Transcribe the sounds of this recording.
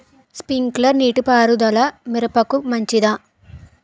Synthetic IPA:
spiŋklɐɾniːʈupaːɾud̪ɐlɐmiɾɐpɐkumɐɲt͡ʃid̪aː

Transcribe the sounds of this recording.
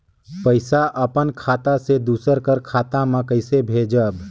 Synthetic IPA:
pəɪsaʔʔəpənkʰaːt̪ased̪uːsəɾkəɾkʰaːt̪amãkəɪsebʱed͡ʒəb

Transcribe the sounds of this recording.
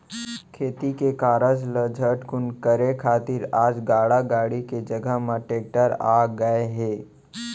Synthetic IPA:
kʰeːt̪ikekaːɾəd͡ʒləd͡ʒʱəʈkʊnkəɾekʰaːt̪ɪɾaːd͡ʒɡaːɽaɡaːɽiked͡ʒəɡəɦmãʈeːk̚ʈəɾaːɡəeɦeː

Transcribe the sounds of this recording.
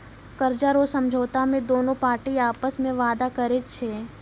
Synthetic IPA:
kəɾd͡ʒaɾosɐmd͡ʒʱoːt̪amẽd̪oːnõpaːɾʈiaːpəsmẽʋaːd̪akɐɾet̪t͡ʃʰeː

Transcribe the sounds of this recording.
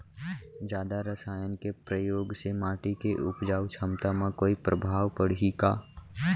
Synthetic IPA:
d͡ʒjaːd̪aɾəsaːjənkepɾəjoːɡsemaːʈikeʔʊpd͡ʒaːut͡ʃʰəmt̪amãkoːipɾʔəbʱaːʋpəɽ̤ikaː

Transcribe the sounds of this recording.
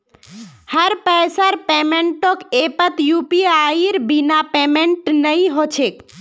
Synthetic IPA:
həɾpəjsəɾpemeɳʈokepət̪jupiaiɾbinapemeɳʈnəjɦot͡ʃʰek

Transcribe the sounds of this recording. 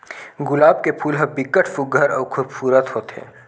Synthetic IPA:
ɡʊlaːb̚kepʰuːlɦɐ̃bɪkːəʈʰfʊɡʱəɾɔːɾkʰʊbsuːɾət̪ɦoːt̪ɦḛ̃ː

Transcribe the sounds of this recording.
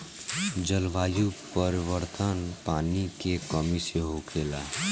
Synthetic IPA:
d͡ʒəlʋaːjupəɾɪʋəɾt̪ʰənpaːnikekəmiseɦokʰeːla

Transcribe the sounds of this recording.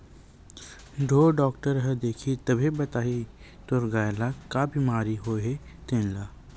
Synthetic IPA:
ɖʱoːɖɔːkʈəɾɦɛd̪eːkʰit̪ɐbʱebɐt̪aːɦi | t̪oɾɡaːjlakabimaːɾiɦoɦet̪ẽːnlaː

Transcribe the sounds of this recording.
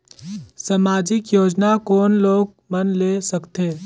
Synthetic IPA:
samaːd͡ʒɪkjoːd͡ʒnakɔːnloːɡ | mɐnlesəkt̪eː

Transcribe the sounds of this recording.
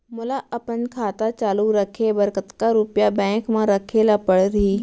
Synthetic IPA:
mʊlaʔɐpənkʰaːt̪at͡ʃaːluɾɐkʰebɐɾkət̪kaɾupjabɛ̃ːkmãɾɐkʰelapəɽɾɐɦiː

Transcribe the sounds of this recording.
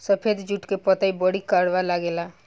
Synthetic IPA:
səpʰed̪d͡ʒuʈkepət̪aibəɽikaɽʋalaɡela

